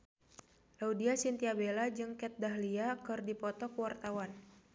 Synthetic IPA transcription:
laudiasint̪iabelad͡ʒɨŋkɛt̪̚daɦliakɨrdipɔt̪ɔkwart̪awan

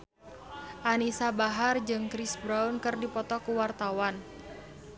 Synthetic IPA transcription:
ʔanisabaɦard͡ʒɨŋkɾisbɾaunkɨrdipɔt̪ɔkuwart̪awan

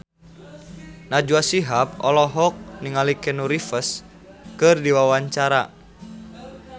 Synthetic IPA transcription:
nad͡ʒuasiɦap̚ɔ̰lɔɦɔk̚niŋalikɛnuɾifəs | kɨrdiwawaɲt͡ʃaɾa

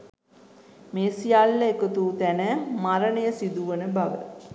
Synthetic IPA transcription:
meːsijalːəekət̪uːt̪ænəmaɾənəjəsid̪uʋənəbaʋə̰

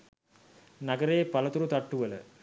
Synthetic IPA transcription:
naɡəɾeːpalət̪uɾut̪aʈːuʋələ̰

